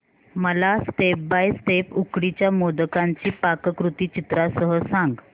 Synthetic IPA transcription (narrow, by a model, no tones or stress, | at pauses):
məlasʈ̪ep̚bajst̪epukɽit͡ɕjamod̪əkaɲt͡ɕiːpakəkɾut̪iːt͡ɕit̪ɾasəɦəsãŋɡ